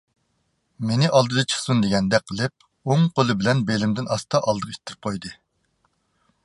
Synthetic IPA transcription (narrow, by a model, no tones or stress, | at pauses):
menɪʔɑlˠd̪ɨd̪ɑt͡ʃʰə̥χsund̪eɡʲɛnd̪ɛqʰːəlˠɪp̚ | oŋqʰolˠɨbɪlɛnbelɪmd̪ɪnɑst̪ɑʔɑlˠd̪əʁʃi̥t̪ʰːɪɾɪ̥p̚qʰojd̪ɨ